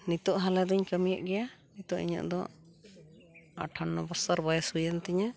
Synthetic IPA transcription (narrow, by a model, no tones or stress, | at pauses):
nit̪ɔʔɦalɛd̪ɔɲkəmijəʔɡɛjanit̪ɔʔiɲə̰ʔd̪ɔ̰ | a̰ʈʰanːɔbɔsaɾbajɛshujənt̪ɛɲa